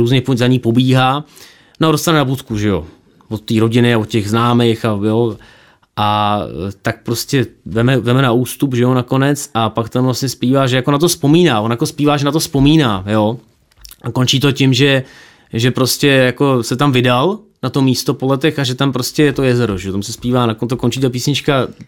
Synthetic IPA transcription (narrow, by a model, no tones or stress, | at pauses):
ɾuːzɲɛpozaɲiːpo̞biːɦaː | nodost̪anɛnabut̪kuʒɛjo̞̰ | vot̪ːiːɾo̞ɟɪnɪavot̪cɛɣznaːmejxajo | ʔa | t̪ak̚pɾoscʲɛvɛmɛvɛmɛnauːst̪upʒɛjonakonɛt͡sʔapakt̪amvlasɲɛspiːvaːʒɛjako̞nat̪̬ospo̞miːnaːvo̞njako̞spiːvaːʒɛnat̪ospo̞miːnaːjo̞ | ʔako̞nt͡ʃiːt̪o̞cɪmʒɛ | ʒɛpɾoscɛjako̞sɛt̪amvɪdal | nat̪o̞miːst̪o̞po̞lɛt̪ɛxaʒɛt̪ampɾoscɛjɛt̪ojɛzɛɾo̞ʒɛjot̪amsɛspiːvaːnakont̪oko̞nt͡ʃiːt̪ap̬iːsɲɪt͡ʃka